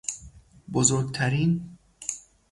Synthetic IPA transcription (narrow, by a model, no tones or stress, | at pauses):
bozoɾɡ̚t̪ʰæɾiːn